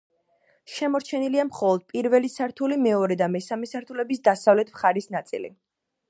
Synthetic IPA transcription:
ʃɛmɔɾt͡ʃʰɛniliamχɔlˠɔd̪̥̚pʼiɾvɛlisaɾt̪ʰulimɛɔɾɛd̪amɛsamɛsaɾt̪ʰulɛbisd̪asavlɛt̪ʰmχaɾisnat̪sʼḭlḭ

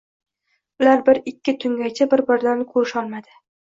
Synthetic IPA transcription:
ʊlaɾbɪɾɪkʲːɪt̪ʰʊŋɡʲajt͡ʃʰabɪɾbɪɾd̪ankʰoɾʃɒlˠmad̪ɪ

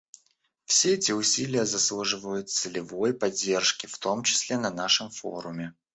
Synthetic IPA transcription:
fsʲeɛtʲɪʊsʲilʲɪjəzɐslˠuʐɨvəjʊt̪̚sɨlʲɪvo̞jpɐdʲːe̞rʂkʲɪft̪o̞mt͡ɕɪ̥sʲlʲenɐnaʂəmfo̰ɾʊmʲɪ

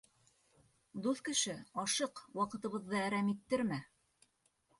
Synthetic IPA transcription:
d̪uθkɘ̆ʃɘɑʃɤqwɑqɤ̆t̪ɤ̆βɤ̆ðːɤæɾæmit̪ːɘɾmæ

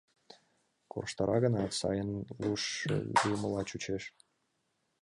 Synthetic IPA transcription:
ko̰rʃt̪əɾʔɑɣənɑsɑ̰jənluʃlujməlɑt͡ɕut͡ɕeʃ

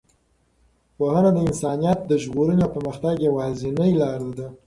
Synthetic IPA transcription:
pohanad̪əɪnsɑnijɑt̪̚d̪əʒɣoɾənjopəɾməxt̪aɡjawɑzɪnəjlɑɾlad̪a

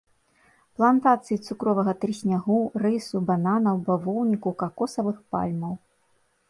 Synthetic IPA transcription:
plˠant̪at̪sɨjit̪sukɾɔvɐɣɐt̪ɾɨsʲnʲaɣurɨsubananɐwbavɔwnʲikukakɔsɐvɨxpa̰lʲmɐw

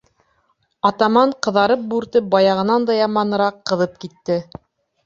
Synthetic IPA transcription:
ɑt̪ɑmɑɴqɤ̆ðɑɾɤp̚bʉɾt̪ɘp̚bɑjɑʁɤ̆nɑnd̪ɑjɑmɑnɤ̆ɾɑqːɤ̆ðɤp̚kit̪ːɘ

